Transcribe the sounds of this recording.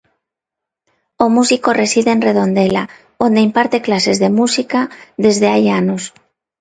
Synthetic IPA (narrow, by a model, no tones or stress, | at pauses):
omusiko̞re̞siðe̞ːnre̞ð̞o̞nd̪ela | o̞nd̪eimpaɾt̪e̞klase̞zðe̞musikaðe̞zðeajanos